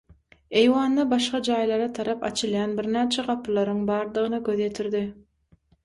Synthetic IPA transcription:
e̞jwɑːnːɑbɑʃqɑd͡ʒɑːjlˠɑɾɑt̪ʰɑɾɑpɑ̰t͡ʃʰɯlˠjɑnbiɾnæːt͡ʃʰæʁɑpʰɯlˠɑɾɯŋbɑːɾd̪ɯʁɯnɯɡʲøðjet̪ʰiɾd̪i

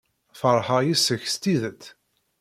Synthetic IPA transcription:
fəɾˤħəjisəçst̪iðət̪

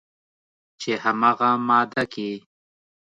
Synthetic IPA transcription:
t͡ʃehamaːɣamɑːd̪aki

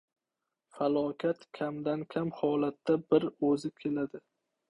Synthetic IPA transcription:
falˠɒkʲʰat̪kʲʰamd̪ankʲʰamhɒlat̪ːabɪɾɵzɪkʲʰe̞lad̪ɪ

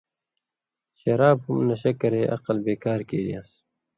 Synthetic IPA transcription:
ɕɐɾaːb̚humnɐɕɐkɐɾeːʔɐ̰qəlbeːkaːɾkeːdḭjaːs

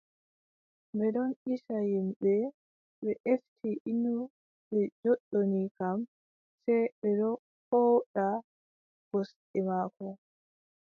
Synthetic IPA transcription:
bɛɗɔniʃajimbɛ | ɓɛʔestʰiʔinu | ɓɛd͡ʒɔɗːonikam | sɛjɓɛɗɔ | hɔwɗa | ɡ̥osɗɛmaːkɔ

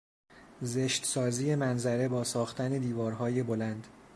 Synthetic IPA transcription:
zeʃt̪sɒːzije̞mænzæɾe̞bɒːsɒːxt̪ʰæne̞d̪iːvɒːɾɦɒːje̞bo̞lænd̪̥

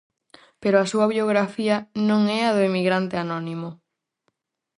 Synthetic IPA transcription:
peɾoasuaβioɣɾafiɐnõŋɛaðoemiɣɾant̪eanõnĩmo

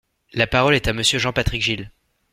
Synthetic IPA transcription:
lapaʁɔlɛt̪aməsjøʒɑ̃pat̪χikʒil

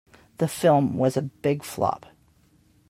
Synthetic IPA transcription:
ðɨfɪlˠmwʌzɨbɪɡ̥flɑ̰p̚

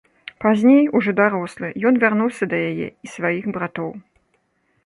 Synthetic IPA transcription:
pazʲnʲejuʐɔd̪aɾɔslˠɨjɔnvʲarnuwsʲɐd̪ɐjajɛ̰isvajixbɾat̪ɔw

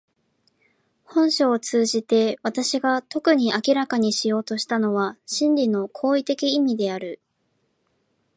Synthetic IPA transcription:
hõ̞ɰ̃ɕoːt͡sɨːʑit̪e̞βat̪aɕiɡat̪o̞kɯ̟ɲ̟iakʲiɾakaɲ̟iɕijo̞ːt̪o̞ɕi̥t̪ano̞β̞aɕĩnɾʲino̞kʰo̞ːit̪e̞kʲiːmʲid̪e̞aɾɯ̟

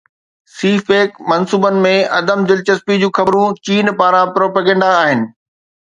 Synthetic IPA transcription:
siːfeːkmɐnsuːbənɪ̆mẽɐd̪əmd͡ʑɪlt͡ɕɐspid͡ʑũːxɐbɾũt͡ɕiːnpaːɾãpɾoːpəːɡɛ̃ːɳɖaːɦɪnɪ̆

